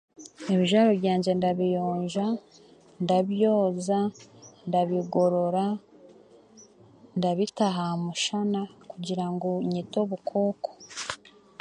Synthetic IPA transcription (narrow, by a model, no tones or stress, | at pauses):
eβiʒaɾoβjaːɲɟe̞ndaβijoːɲʒa | ndaβjo̞ːzandaβiɡo̞ɾo̞ɾa | ndaβitaɦamuʃanakuɟiɾaŋɡo̞ɲito̞βukʰo̞ːko̥